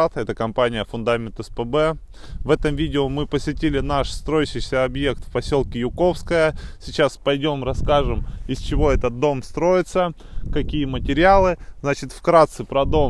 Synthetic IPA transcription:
t̪ɛt̪əkɐmpanʲɪjəfʊnd̪amʲɪnt̪ɛspəbɛ | vɛt̪əmvʲidʲɪomɨpəsʲvʲɪtʲilʲɪnaʂst̪ɾo̞jɪɕɪjsʲəɐbje̞k̚t̪fpɐsʲelˠkʲɪjʊko̞fskəjəsʲɪt͡ɕaspɐjdʲo̞mɾɐskaʐɨmɪsʲt͡ɕɪvo̞ɛt̪ət̪̚d̪o̞mst̪ɾo̞jɪt̪sə | kɐkʲijəmətʲɪɾʲɪalˠɨznat͡ɕɪt̪fkɾat̪sɨpɾɐd̪o̞m

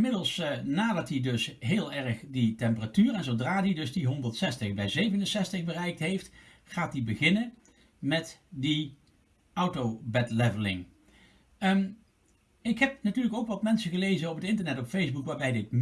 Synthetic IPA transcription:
mɪdəlˠsnaːdɑtidɵsɦɪːlˠɛɹəχditɛmpəratyːrɛnzowdraːdidɵsdiɦɔndəɹtsɛstəχbɛjzejvənənsɛstəχbərɛjk̚tɦejft | χaːt̚dibəɣɪnə | mɛtdi | ʌwtowbɛtlɛvəlɪ̰ŋ | ɪkɦɛp̚natyːɹləkowkʋɑtmɛnsəɣəlejzənɔpətɪntəɹnɛtɔpfejzbukʋaːɹbɛjdɪt̚m

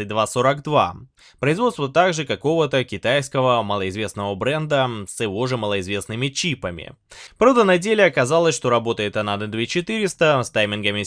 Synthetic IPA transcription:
ɨt̚ʲd̪vaso̞ɾəɡd̪va̰ | pɾəɪzvot̪st̪vət̪aɡʐɨkɐko̞vət̪əkʲɪt̪ajskəvəməlˠəɪzvʲe̞snəvəbɾɛnd̪əsjɪvo̞ʐɨməlˠəɪzvʲe̞snɨmʲɪt͡ɕipəmʲɪ̰ | pɾovd̪ənɐdʲelʲɪɐkɐzalˠəsʲʂt̪o̞ɾɐbo̞t̪əjɪt̪ɐnad̪d̪vʲet͡ɕɪt̪ɨɾʲɪst̪əst̪ajmʲɪnɡəmʲɪ

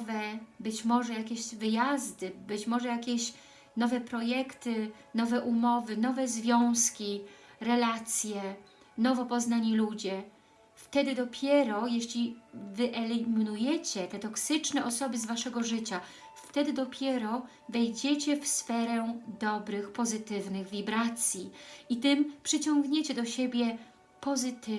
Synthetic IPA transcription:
vɛbɘt͡ɕmɔʐɛjakʲeɕvɘjazd̪ɘbɘt͡ɕmɔʐɛjakʲeɕ | nɔvɛpɾɔjɛkt̪ɘ | nɔvɛʔumɔvɘnɔvɛzvʲjɔ̃w̃skʲiɾɛlat̪sʲjɛ | nɔvɔpɔznaɲilud͡ʑɛ | ft̪ɛd̪ɘd̪ɔpʲjɛɾɔjeɕlʲivɘʔɛlʲimʲinujɛt͡ɕɛt̪ɛt̪ɔksɘt͡ʂnɛʔɔsɔbɘzvaʂɛɡɔʐɘt͡ɕa | ft̪ɛd̪ɘd̪ɔpʲjɛɾɔ | vɛjd͡ʑet͡ɕɛfsfɛɾɛd̪ɔbɾɘxpɔzɘt̪ɘvnɘɣvʲibɾat̪sʲjiit̪ɘmpʂɘt͡ɕɔŋɡɲet͡ɕɛd̪ɔɕebʲjɛ | pɔzɘt̪

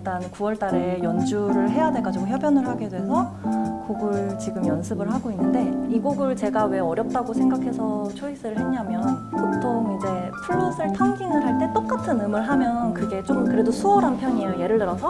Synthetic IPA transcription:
t͈ankuwʌɭt͈aɾe̞jʌnd͡ʑuɾɯɭɦe̞jadwe̞ɭɡad͡ʑiɡoçjʌbjʌnɯɭɦaɡedwe̞sʰʌkoɡɯɭt͡ɕiɡɯmjʌnsʰɯbɯɭɦaɡoinːɯnde̞iɡoɡɯɭt͡ɕe̞ɡawe̞ʌɾjʌp̚t͈aɡosʰe̞ŋɡakʰe̞sʰʌt͡ɕʰoisʰɯɾɯɭɦe̞ɲamjʌnpotʰoŋid͡ʑe̞pʰuɭːosʰɯɭtʰaŋɡiŋɯɭɦaɭt͈e̞t͈ok͈atʰɯnɯmɯɭɦamjʌnkɯɡe̞t͡ɕ͈omkɯɾe̞dosʰuʌɾɦampʰjʌɲiejoje̞ɾɯɭtɯɾʌsʰʌ

